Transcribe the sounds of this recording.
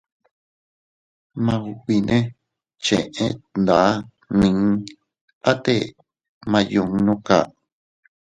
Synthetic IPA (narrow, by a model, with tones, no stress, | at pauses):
mã˧u˧kʷi˧nʔẽ˦ | t͡ʃḛ̃˨ʔẽ˦nd̪a˨˦ | nĩ˧˦ | a˦t̪e˦ | mã˧jũ˧ŋ˧nũ˦ka̰˨